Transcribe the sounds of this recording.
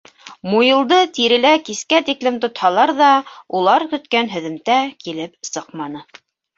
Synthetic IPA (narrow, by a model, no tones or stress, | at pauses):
mujɤ̆lˠd̪ɤt̪iɾɘ̆lækiskæt̪iklɘmt̪ŏt̪hɑlˠɑɾðɑulˠɑɾkɵ̆t̪kænɦɵ̆ðɘ̆mt̪ækilɘp̚sɤqmɑnɤ